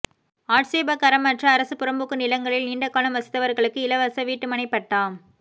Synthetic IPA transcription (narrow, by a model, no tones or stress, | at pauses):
aːʈseːbɐkɐɾɐmːɐʈrɐːɾɐsɯpʊɾɐmbɯkːɯnɪlɐŋɡɐɭɪlniːɳɖɐkːaːlɐmʋɐsɪ̥t̪ːɐʋɐɾɣɐɭɯkːɯɪlɐʋɐsɐʋiːʈːɯmɐɳɐɪpːɐʈːaːm